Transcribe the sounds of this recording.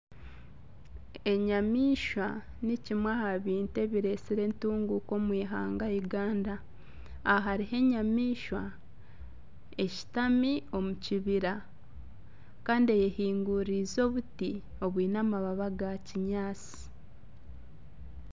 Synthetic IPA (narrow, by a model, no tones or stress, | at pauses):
e̞ɲamiːʃwa | nicimwahaβiːnte̞βiɾe̞siɾe̞ntuːŋɡuko̞mwiːɦaːŋɡaiɡaːndaː | ɦaɾiɦe̞ɲamiːʃwa | e̞ci̥tamio̞muciβiɾa | kaːndie̞jehiːŋɡuɾizo̞ːβuti | o̞βwiːnaːmaβaβaɡaciɲaːt͡si̥